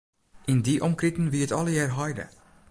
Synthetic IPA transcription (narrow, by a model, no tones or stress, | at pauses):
ʔɪndiʔɔmkritən̩ʋiətɑləjɛːrɦɑjdə̰